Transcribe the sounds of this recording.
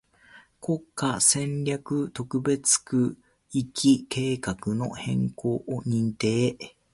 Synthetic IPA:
ko̞kːasẽ̞nɾʲakɯ̟t̪o̞kɯ̟be̞t͡sɨ̥kɯ̟ | ikʲʰike̞ːkakɯ̟no̞̰hẽ̞ŋko̞ːʔoɲ̟ĩnt̪eː

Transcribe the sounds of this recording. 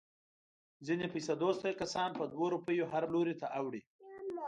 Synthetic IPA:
zinepajsad̪ost̪əjkasɑnpəd̪woɾupəjoɦaɾloɾit̪aʔawɽi

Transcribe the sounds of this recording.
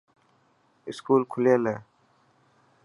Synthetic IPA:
ɪskuːlkʰʊleːleː

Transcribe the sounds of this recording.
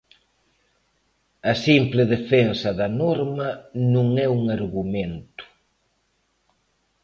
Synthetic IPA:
ɐsimplɪðefensɐðɐnɔɾmɐnũŋɛuŋaɾɣumẽnt̪ʊ̥

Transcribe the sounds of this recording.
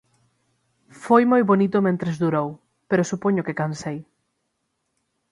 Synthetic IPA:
fojmojβonit̪omẽnt̪ɾezðuɾow | peɾosupoɲokekansej

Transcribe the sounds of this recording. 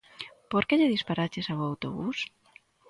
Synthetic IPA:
poɾkeʎeðispaɾat͡ʃesaβoawt̪o̰βus

